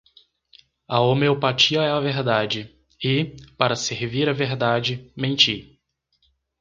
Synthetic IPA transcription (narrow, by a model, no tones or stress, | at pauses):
ɐomeopat͡ʃiɐɛɐveɾd̪ad͡ʒɪ | ɪpaɾɐseɾviɾɐveɾd̪ad͡ʒɪmẽnt͡ʃi